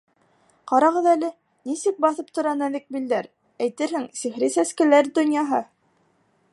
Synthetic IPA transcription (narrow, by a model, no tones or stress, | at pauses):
qɑɾɑʁɤðælɘ | nisɘk̚bɑθɤp̚t̪ŏɾɑnæðɘk̚bild̪æɾ | æjt̪ɘɾhɘŋsiχɾisæskɘ̆læɾd̪ŏnjɑɦɤ